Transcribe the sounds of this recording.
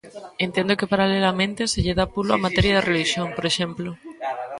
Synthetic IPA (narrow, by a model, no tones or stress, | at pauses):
ent̪end̪okepaɾalelamẽnt̪eseʎeð̞apuloa̰mat̪eɾjað̞erʔeliʃjoŋpoɾeʃemplo